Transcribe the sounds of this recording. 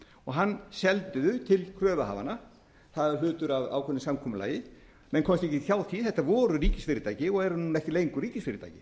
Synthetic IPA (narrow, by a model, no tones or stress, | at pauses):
ɔɣɦanːsɛlt̪ʏðʏt̪ʰɪlkʰɾœːvaha̰ːva̰na | θaðɾlʏːt̪ʏɾava̰wkʰɛnːɪsamkʰɔmʏla̰ːjɪ | mɛnkʰɔmst̪ɛhcɪθjawðθiθɛht̪ːavɔːɾʏɾiːcɪsfɪːɾɪt̪aːjcɪɔɣɛɾnuːnɛhcɪleːjŋkʏɾiːcɪsfɪɾɪt̪a̰jcɪ